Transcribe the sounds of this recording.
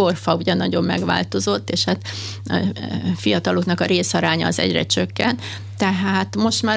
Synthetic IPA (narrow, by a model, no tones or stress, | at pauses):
orfɒuɟɛnːɒɟo̞mːɛ̰ɡʋa̰ːlt̪o̞zo̞t̪ːeːʃhat̪ | fijɒt̪ɒloknɒkɒɾeːsɒɾaːɲɒːzɛ̰ɟrɛ̰t͡ʃøkːɛnt̪ | t̪ɛɦaːt̪mo̞ʃt̪maː